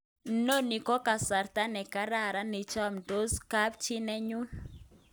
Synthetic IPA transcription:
no˦˨ni˨kɔ˦ka˨sa˨ɾt̪a˦nɛ˨ka˦ɾa˨ɾa˦nɪ˨t͡ʃa˦mdo˦ska˦p̚t͡ʃi˦nɛ˦ɲu˦n

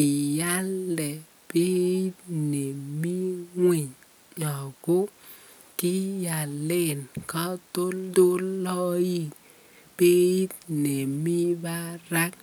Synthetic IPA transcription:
i˨ja˦ldɛ˨ | pe˦i˦tne˨mi˦ŋwi˨ɲ | ɲɔ˨ɡo˦ | ki˦ja˨le˦˨nka˦to˦ldo˦lɔ˦ji˦ | b̥e˦i˦t̚ne˨mi˦ba˦ɾa˦k̚

